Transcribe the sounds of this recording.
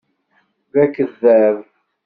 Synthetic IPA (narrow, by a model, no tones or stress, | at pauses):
ðækːəðːæv